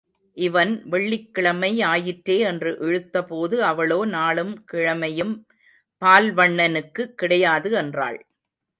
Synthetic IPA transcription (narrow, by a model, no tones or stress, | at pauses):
ʔɪʋɐnʋɛɭːɪkːɪɭɐmɐɪaːjɪʈɾeːɛndrɯʔɛɻɯt̪ːɐpoːðɯɐʋɐɭoːnaːɭɯmkɪɻɐmɐjɯm | paːlʋɐɳːɐnɯkːɯkːɪɽɐjaːðɯɛndra̰ːɭ